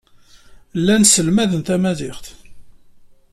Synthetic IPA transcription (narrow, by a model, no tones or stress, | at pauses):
lːænsəlmæðənθæmæðɪχθ